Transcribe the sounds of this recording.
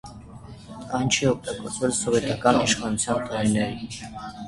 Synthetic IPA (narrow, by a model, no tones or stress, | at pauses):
ɑjnt͡ʃʰiɔk̚ʰt̪ɑkɔɾt͡sʰvɛlsɔvɛt̪ɑkɑniʃχɑnut͡sʰjɑnt̪ɑɾinɛɾi